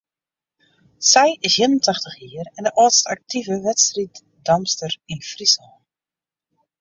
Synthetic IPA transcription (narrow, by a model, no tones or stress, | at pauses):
sɛjɪsjiənəntaxtəχjiərɛndəʔɔːtstak̚tʰivəʋɛtstrit | dɑmstərinfrisəlˠ